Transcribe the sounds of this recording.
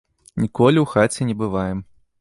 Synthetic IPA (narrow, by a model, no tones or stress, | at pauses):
nʲikɔlʲiwxat͡sʲɛnʲɛbɨvajɛm